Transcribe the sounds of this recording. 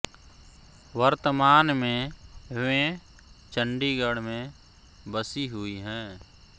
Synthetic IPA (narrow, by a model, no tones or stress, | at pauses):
ʋəɾt̪əmaːnmẽɦẽ | t͡ʃəɳɖiɡəɽmẽ | bəsiɦʊiɦɛ̃ː